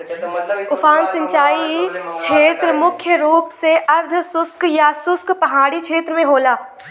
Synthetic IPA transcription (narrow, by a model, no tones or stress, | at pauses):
ʊpʰaːnsə̃ɲt͡ʃaːit͡ʃʰeːt̪ɾəmʊkʰjəɾuːpseʔɐɾd̪ʱsʊskjasʊskpɐɦaːɽit͡ʃʰeːt̪ɾəmẽɦoːlaː